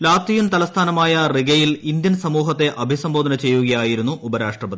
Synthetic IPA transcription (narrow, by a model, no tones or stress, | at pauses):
laːt̪ʋijunt̪ɐlɐst̪ʰaːnɐmaːjɐriɡɐjilind̪jɐnsɐmuːɦɐt̪ːe̞ʔɐbʱisɐmbo̞ːd̪ʱɐnɐt͡ɕe̞jːuɣɐjaːjiɾunːuʔubɐɾaːʂʈrɐbɐd̪i